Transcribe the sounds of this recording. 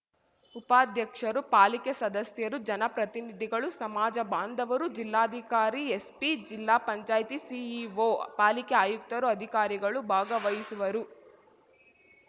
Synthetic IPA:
upaːd̪ʱjɐkʂɐɾupaːlikesɐd̪ɐsjɐɾud͡ʒɐnɐpɾɐt̪inid̪ʱiɡɐɭusɐmaːd͡ʒɐbaːnd̪ʱɐʋɐɾud͡ʒilːaːd̪ʱikaːɾiespid͡ʒilːaːpɐɲt͡ʃaːjt̪isiiʋopaːlikɛaːjuk̚t̪ɐɾuɐd̪ʱikaːɾiɡɐɭubʱaːɡɐʋɐjisuʋɐɾu

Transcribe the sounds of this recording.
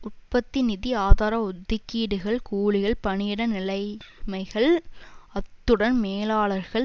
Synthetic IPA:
ʊʈ̚pɐt̪ːinɪðiaːðaːɾɐʊd̪ːɪkːiːɽɯɣɐɭkuːɭɪɣɐɭpɐɳɪjɪɽɐnɪlɐɪmɐɪɣɐɭɐt̪ːɯɽɐnmeːlaːɭɐɾɣɐɭ

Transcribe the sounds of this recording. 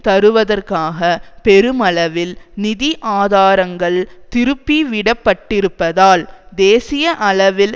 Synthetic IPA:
t̪ɐɾɯʋɐðɐrkaːɣɐpɛɾɯmɐlɐʋɪlnɪðiʔaːðaːɾɐŋɡɐɭt̪ɪɾɯpːiʋɪɽɐpːɐʈːɪɾɯpːɐðaːld̪eːsɪjɐʔɐɭɐʋɪl

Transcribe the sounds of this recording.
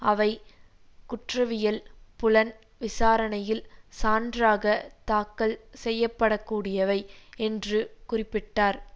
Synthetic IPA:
ʔɐʋɐɪ | kʊʈrɐʋɪjɐlpʊlɐn | ʋɪsaːɾɐnɐjɪlsaːndraːɣɐt̪aːkːɐlsɛjːɐpːɐɽɐkːuːɽɪjɐʋɐɪɛndrɯkʊrɪpːɪʈːaːɾ

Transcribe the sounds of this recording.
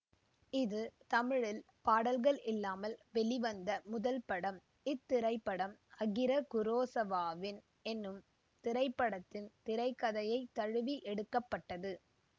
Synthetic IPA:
ɪðɯt̪ɐmɪɻɪl | paːɽɐlɣɐɭʔɪlːaːmɐlʋɛɭɪʋɐnd̪ɐmʊðɐlpɐɽɐm | ɪt̪ːɪɾɐɪpːɐɽɐmɐɣɪɾɐkʊɾoːsɐʋaːʋɪn | ɛnːɯm | t̪ɪɾɐɪpːɐɽɐt̪ːɪnt̪ɪɾɐɪkːɐðɐjɐɪt̪ːɐɻɯʋiʔɛɽɯkːɐpːɐʈːɐðɯ

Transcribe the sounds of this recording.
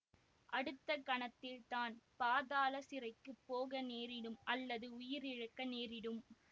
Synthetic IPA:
ʔɐɽɯt̪ːɐkɐɳɐt̪ːɪlt̪aːnpaːðaːlɐsɪɾɐɪkːɯpːoːɣɐneːɾɪɽɯmʔɐlːɐðɯʊjɪɾɪɻɐkːɐneːɾɪɽɯm

